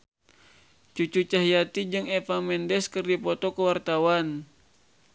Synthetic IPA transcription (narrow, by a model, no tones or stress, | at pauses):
t͡ʃut͡ʃut͡ʃaɦijat̪id͡ʒɨŋɛfamɛndɛskɨrdipɔt̪ɔkəwart̪awan